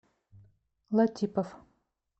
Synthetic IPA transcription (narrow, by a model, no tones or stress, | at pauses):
lˠɐt̪ʲipɐf